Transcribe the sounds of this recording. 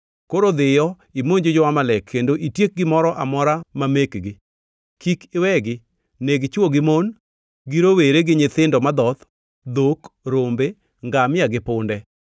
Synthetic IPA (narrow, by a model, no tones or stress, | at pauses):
koɾod̪ɪjɔ | imoɲd͡ʒod͡ʒɔwamalɛkʰːendoʔitjek̚ɡɪmɔɾɔʔamɔɾamamekɡɪ | kikɪwɛɡɪ | neɡt͡ʃwoɡɪmon | ɡiɾoweɾeɡɪɲɪt̪ɪndɔmad̪ɔt̪ | d̪okɾombe | ŋɡamɪjaɡɪpʊndɛ